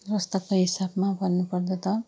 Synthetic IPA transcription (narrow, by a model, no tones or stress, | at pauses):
rʌst̪ʌkoɦisabmabʱʌnːupʌrd̪ʌt̪ʌ